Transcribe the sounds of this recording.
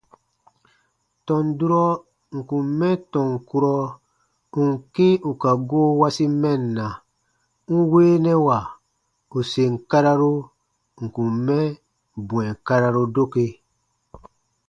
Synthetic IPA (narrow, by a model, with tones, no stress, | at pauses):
tɔ̃˨ndu˦ɾɔ˦ | ŋ̩˨kũ˨mmɛ̃˦tɔ̃˨ŋ˨ku˦ɾɔ˦ | u˨ŋ̩˨ke˦u˨ka˨ɡo˦wa˦si˦mɛ˦nːa˨ | ŋ̩˦weː˦nɛ˦wa˨ | u˨se˨ŋ̩˨ka˦ɾa˦ɾo˦ | ŋ̩˨ku˨mɛ̃˦ | bũ˨ɛ˨ka˦ɾa˦ɾo˦do˦ke˦